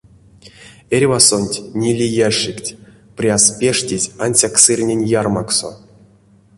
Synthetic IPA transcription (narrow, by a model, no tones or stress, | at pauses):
erʲvasonʲtʲnʲilʲijaʂiktʲ | prʲaspʲeʂtʲizʲanʲsʲaksɨrʲnʲenʲjarmakso̰